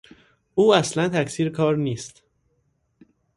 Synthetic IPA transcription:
ʔuːæslænt̪ʰæcsiːɾkʰɒːɾniːst̪

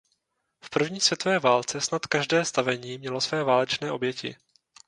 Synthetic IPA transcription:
fpr̩vɲiːsvjɛt̪ovɛːvaːlt͡sɛsnat̪kaʒdɛːst̪avɛɲiːmɲɛlo̞svɛːvaːlɛt͡ʃnɛːʔo̞bjɛcɪ̰

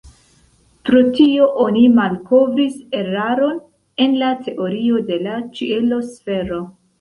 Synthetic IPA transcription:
pɾo̞tio̞ʔo̞nimalko̞vɾise̞ɾaɾo̞n | e̞nlatʰe̞ʔo̞ɾio̞de̞lat͡ʃielo̞sfe̞ɾo̞

